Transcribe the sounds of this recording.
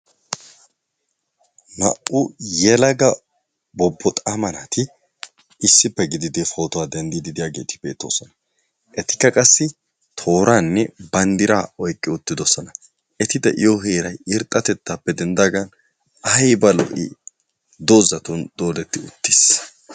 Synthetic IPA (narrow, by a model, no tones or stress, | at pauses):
mɐ̰ʔʊjɛlɐɡɐ | bɔbːɔt̪ʼaːmɐnaːt̪ɪ | ɪsːɪpːɛɡɪd̪ɪd̪efo̞ːt̪ɔwaːd̪ɐnd̪ɪd̪ɪd̪ɪjaːɡe̞̰ːt̪ɪ̥b̥e̞ːt̪ːo̰ːsɔnɐ | ʔɛt̪ɪ̥kːɐkʼɐsːɪ | t̪ʰo̞ːɾaːnːɛbɐnd̪ɪɾaːɔjkʼːɪʊt̪ːɪd̪ɔsɔnɐ | ʔɛt̪ɪd̪ɐ̰ʔɪjoːɦeːɾɐjɪɾt̪ʼːɐt̪ɛt̪ːaːpːɛd̪ɛnd̪aːɡɐn | ɐjbɐlɔ̰ʔḭ | d̪oːzɐt̪und̪̥o̞ːd̪ɛt̪ːɪʊ̰t̪ːis